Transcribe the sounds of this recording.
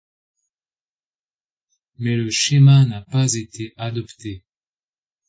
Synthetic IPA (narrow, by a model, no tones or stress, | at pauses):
mɛləʃemanapazet̪ʰeʔad̪ɔpt̪e